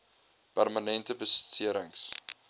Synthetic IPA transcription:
pærmanɛntəbəsətsiəɾəŋs

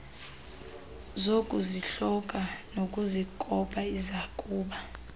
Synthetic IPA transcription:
zokʼuziɬɔkʼanokʼuzikʼɔɓʼaizakʼuːɓa

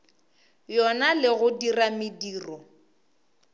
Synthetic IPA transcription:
jɔnalɪɣʊdiramidiːrɔ

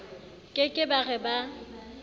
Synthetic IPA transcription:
kʼɪkʼɪbaɣɛba

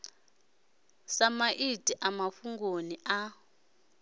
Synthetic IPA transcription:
samaʔitʼiʔamafuŋɡonia

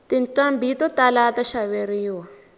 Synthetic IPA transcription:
t̪inǀambʱitɔtalat̪aʃaβeɾiːwa

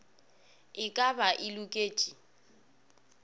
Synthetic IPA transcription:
ɪkʼabaʔɪlukʼeːt͡ʃʼi

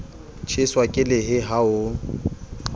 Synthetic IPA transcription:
t͡ʃʰɪswakʼɪlɪɦɪɦaʊ

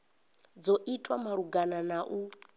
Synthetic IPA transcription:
d͡zɔʔitʰʼwamaɺuɡananaʔu

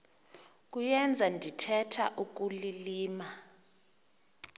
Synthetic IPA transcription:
k̬ʼujɛnd͡zʱandʱitʰɛtʰa̰ʔuk̬uliliːma

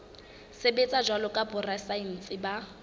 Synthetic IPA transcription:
sebet͡sʼad͡ʒwalɔkʼabʊrasain̩t͡sʼɪba

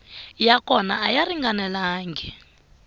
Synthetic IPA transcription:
jakʰʼɔna̰ːjariŋɡanɛlaːŋɡʱɛ

